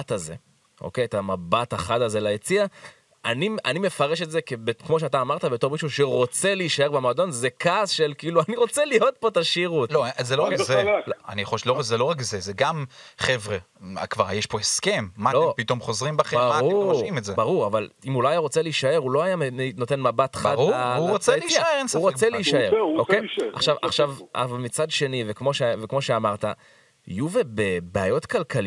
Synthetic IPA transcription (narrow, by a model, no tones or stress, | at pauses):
ataze̞ | ʔo̞̰kejtamabataχadaze̞laet͡sia | anianime̞faʁe̞ʃetzekebekmo̞ʃ̬eat̬aːmaʁt̪abe̞to̞ʁmiʃuʃe̞ʁo̞t͡se̞liːʃaebemado̞nzekaːsʃelkiiːluaniʁo̞t͡selijo̞t̪̚po̞t̪aʃiʁutlozeloakzeoa̰nijaχolʃlozelo̞ʁakzezeɡamχevʁe | a̰kva̰ʁjeʃpo̞heske̞mːalopit̪o̞mχo̞zʁimbaχeaaʁuʃimetzebaʁuʁavalimulajajaʁot͡seliʃae̞ʁulo̞ajamno̞tenmabatχadʁuuʁot͡seliiʃaeʁensaufʁot͡seliiʃae̞okeja̰χʃava̰χʃavʔa̰valmit͡sadʃe̞nivekmo̞ʃevekmo̞ʃeamaʁt̪a | ḭjuvebebeajo̞tkalkali